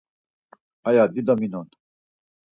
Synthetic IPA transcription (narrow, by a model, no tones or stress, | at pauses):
ɐjaːd̪id̪ɐminon